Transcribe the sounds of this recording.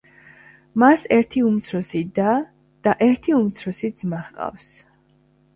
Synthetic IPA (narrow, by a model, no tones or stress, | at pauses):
masɛɾt̪ʰiumt̪sʰɾɔsid̪a | d̪̥aʔɛɾt̪ʰiumt̪sʰɾɔsid̪z̥maχqʼa̰fs